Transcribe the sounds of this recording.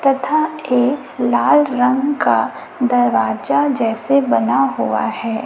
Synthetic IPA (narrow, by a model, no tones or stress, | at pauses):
t̪ɐt̪ʰaeːk | laːlɾɐ̃ŋɡka | d̪ɐɾʋaːd͡ʒad͡ʒɛːsebɐnaɦua̰hɛː